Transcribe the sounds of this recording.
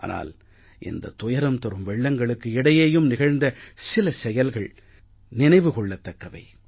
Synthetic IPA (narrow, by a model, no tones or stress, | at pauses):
ʔa̰ːnʔa̰ːl | ʔɪ̰nd̪ɐ̰t̪ʊjɐɾɐmt̪ɔɾɯmʋɛɭːɐŋɡɐɭɯkːɯɪɽɐjeːjɯmnɪɣɐɻnd̪ɐsɪlɐsɛjɐlɣɐɭ | nɪnɐɪʋɯkɔɭːɐt̪ːɐkːɐʋɐ̰ɪ